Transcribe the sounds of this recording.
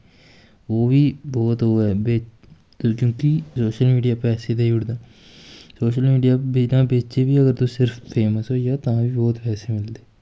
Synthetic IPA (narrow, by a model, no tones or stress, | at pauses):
oːbʱiːbɔːt̪ɦoːɛːbeː | kjõːkisoːʃəlmiːɖijaːpɛːsed̪eiːʊɽd̪aː | soːʃəlmiːɖijaːid̪ãːbeːt͡ʃebiːəɡəɾt̪õsɪɾfpʰeːməsɦoːjaːt̪ɐãːbʱiːbɔːt̪pɛːsemɪld̪eː